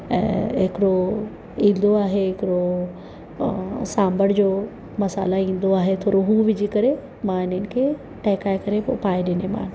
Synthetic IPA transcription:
ɛ̰̃ːɦɪkɪɾo | ĩːnd̪oaːɦeɦɪkɪɽo | sãːmbəɽd͡ʑoː | mɐsa̰ːlaĩːn̆d̪oaːɦet̪ʰoːɾoɦuːʋɪd͡ʑikɐɾe | mãɪnənkʰe | ʈɛːkaːekɐɾepːpaːẽɗɪnemã̰ːn

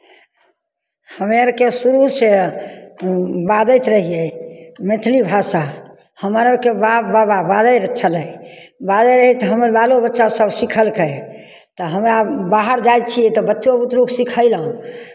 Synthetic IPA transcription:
həmeɾkesuɾuse | bad̪əjt̪ɾəɦiɛmet̪ʰlibʱasa | həməɾəkebabababad̪əjɾət͡ʃʰələjbad̪əɾəɦɛt̪ɦəməɾbalobətːʃasəbsikʰəlkə | t̪ɔɦəmɾabaɦəɾd͡ʒajt̪̚t͡ʃʰiɛt̪ɔbətːʃobut̪ɾuksikʰəɪləɦũ

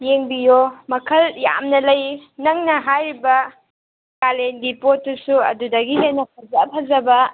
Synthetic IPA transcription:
jeŋbijomɐkʰɐlja̰mnɐlɐjnɐŋnɐɦajɾibɐ | kalendipotːusuɐ̰dudɐɡilenɐp̚ʰɐzɐpʰɐzɐbɐ

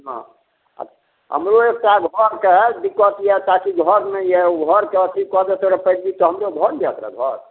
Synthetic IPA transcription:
ɦã̰ | ə̰tʰ | ɦə̰mɾoek̚ʈaɡʱɔɾked̪ikːət̪jɛt̪akiɡʱɔɾnəjjɛuɡʱɔɾket̪ʰikɔd̪ɔt̪oɾɛpəd͡ʒbit̪ɔɦəmɾoɡʱɔɾbat̪ɾɛ̰ɡʱɔɾ

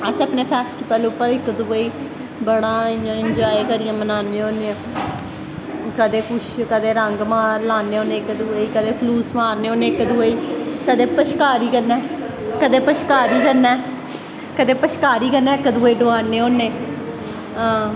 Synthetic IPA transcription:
ət͡ʃːəpneːpʰɛːsʈipɛːleʊpːəɾɪkd̪ʊəiː | bəɽaːãːɪnd͡ʒaːekəɾɪjãːmənaːnẽːɦoːneã | kəd̪eːkʊʃkəd̪eːɾəŋɡmaːlaːneːoːnẽːkd̪uəiːkəd̪eːpʰluːsmaːɾneːoːneːɪkd̪uəiːkəd̪eːpəʃkaːɾiːkəɾnɛː | kəd̪eːpəʃkaːɾiːkəɾnɛː | kəd̪eːpəʃkaːɾiːkəɾnɛːɪkd̪uəːiːɖoaːneːoːnːeː | ãː

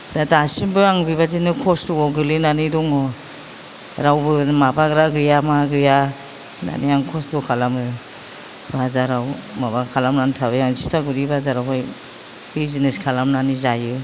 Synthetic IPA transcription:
datasimbɯaŋbiβazinɯkʰɔstuɔɡɯlinanidɔŋɔ | ɾawbɯmabaɡɾaɡɯjamaɡɯja | na̰nijaŋkʰɔstɔkʰalamɯ | bazaɾaw | mabakʰalamnantʰabajaŋzistʰaɡuɾibazaɾawɦaj | bizineskʰalamnanizajɯ

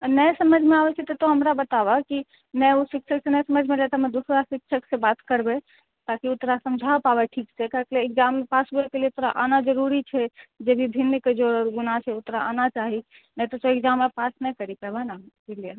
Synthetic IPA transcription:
nəjsəməd͡ʒʱmẽabɛt͡ʃʰɛt̪ɔt̪ɔɦəmɾabət̪abaki | nɛusikʃʰəksenɛsəməd͡ʒʱmẽlɛt̪ɔɦmɛ̃d̪usɾasikʃʰəksebat̪kəɾbe | t̪akiut̪ɾasəmd͡ʒʱapabɛʈʰiksekəɦəkleːk̚d͡ʒamːepasbuekelieut̪ɾaʔanad͡ʒəɾuɾit͡ʃʰɛd͡ʒebʱib̪ʱinːked͡ʒoɾɔɾɡunat͡ʃʰɛʊt̪ɾaanat͡ʃaɦi | nɛt̪ɔt̪oekd͡ʒamːepasnɛkəɾipəbanakelie

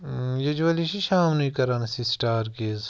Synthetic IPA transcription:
jud͡ʒʋɐliʃiʃaːmnɐĩkɐɾaːnsisʈaːɾkeːz

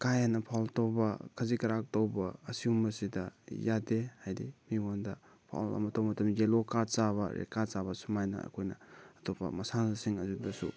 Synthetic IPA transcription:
kajanɐpʰawltowbɐkʰɐzikɐɾak̚towbɐːsiumːɐsidɐjadehajdimiondɐ | pʰa̰wlɐ̰mɐtʰɔwmɐtʰɐmd͡ʒelokat͡ʃaβɐ̰ɾḛkat͡ʃabɐsumajnɐ̰ɐ̰kʰojnɐ̰ːtʰopɐ̰mɐsanasiŋɐzudɐsṵ

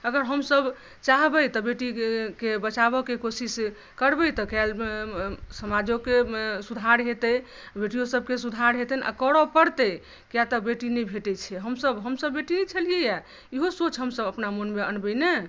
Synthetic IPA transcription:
əɡəɾɦəmsəb | t͡ʃaɦbəjt̪ɔbeʈikebət͡ʃabɔkekosis | kəɾbəjt̪ɔkal | səmad͡ʒokesud̪ʱaɾɦet̪ə | beʈijosəb̚kesud̪ʱaɾɦet̪ənʔa̰kəɽɔpəɾt̪əj | kjat̪ɔbeʈinɛbʱeʈɛt͡ʃʰɛɦəmsəbɦəmsəbːeʈinɛt͡ʃʰəlijeja | iɦosot͡ʃʰɦəmsəbəpnamənmeənbəjne

